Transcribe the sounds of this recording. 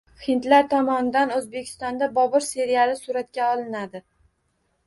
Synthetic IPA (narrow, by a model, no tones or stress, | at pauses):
hɪnt̪laɾt̪ʰɒmɒnɪd̪anɵzbe̞kʲʰɪ̥st̪ɒnd̪abɒbɒɾse̞ɾijalɪsʊɾat̪̚kʲaɒlˠɪnad̪ɪ